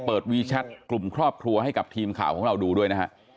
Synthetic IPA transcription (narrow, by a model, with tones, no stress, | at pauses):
pɤː˨˩t̪̚wiː˦t͡ɕʰa˦˥t̪̚klu˨˩mkʰɾɔː˥˩p̚kʰɾu˧ɐha˥˩jka˨˩p̚t̪ʰiː˧mkʰa̰ː˨˩wkʰɔː˨˩˦ɾa˧wduː˧du˥˩əjna˦˥kʰa̰˦˥ʔ